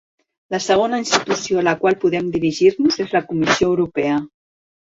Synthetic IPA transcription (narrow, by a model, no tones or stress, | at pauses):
ləsəɣ̞onəinst̪it̪usioləkwalˠpuðɛmd̪iɾiʒiɾnuzezləkumisioəwɾupɛə